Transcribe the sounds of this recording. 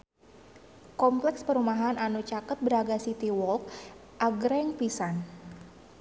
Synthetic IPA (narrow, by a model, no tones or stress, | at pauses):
kɔmplɛkspəɾumaɦananut͡ʃakət̪̚bəɾaɡasit̪iwɔlk | ʔaɡɾɛŋpisan